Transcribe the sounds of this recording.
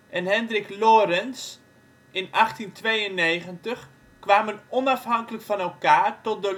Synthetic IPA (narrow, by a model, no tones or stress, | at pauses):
ʔɛnɦɛndrɪkloːɾəns | ɪnaxtintʋejənːeːɣəntəx | kʋaːmənɔnafɦaŋkələkfɔnɛlˠkaːrtɔt̚də